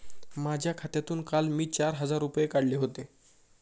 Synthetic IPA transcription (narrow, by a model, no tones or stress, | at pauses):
mad͡ʑʱjakʰat̪jat̪uːnkalmiːt͡ɕaɾɦəd͡zaɾːupjekaɽleɦot̪e